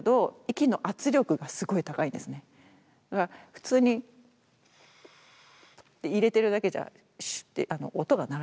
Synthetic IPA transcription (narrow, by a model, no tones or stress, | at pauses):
d̪o̞ikʲino̞ʔat͡sɨɾʲo̞kɯ̟ɡasɨɡo̞it̪akaĩnd̪e̞sɨne̞ | d̪̥akaɾaɸɯ̟̥t͡sɨːɲ̟i | t̪ːeiɾe̞t̪e̞ɾɯ̟d̪ake̞ʑa̰ | ɕt̪ːḛʔano̞̰ʔot̪o̞ɡanaɾ